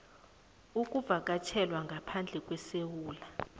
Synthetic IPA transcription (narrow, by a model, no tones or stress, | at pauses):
ukʼuvak̬ʼat͡ʃʰɛlwaŋɡʱapʰand͡ɮʱɛkʼwɛsewuːla